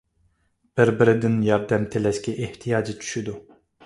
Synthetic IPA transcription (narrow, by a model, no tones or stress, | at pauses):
b̥ɪɾbɪɾɪd̪ɪnjɑɾd̪ɛmt̪ʰelɛʃkʲɛʔeht̪ʰijɑːd͡ʒit͡ʃʰy̥ʃid̪u